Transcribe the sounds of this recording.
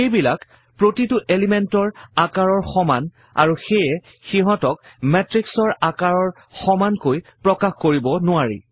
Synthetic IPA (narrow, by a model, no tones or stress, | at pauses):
ejbilak | pɹotitʊʔelimɛntɔɹakaɹɔɹxɔman | a̰ɹuxejɛ | xiɦɔ̃tɔk̚mɛtɹiksɔɹakaɹɔɹ | xɔmankojpɹɔkaxkoɹibɔnʊaɹḭ